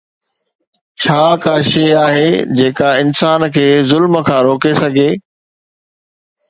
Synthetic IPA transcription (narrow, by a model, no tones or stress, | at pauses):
t͡ɕʰaːkaːʃeːaːɦed͡ʑeːkaɪnsaːnkʰeːzʊlməkʰãːɾoːkesɐɡʱeː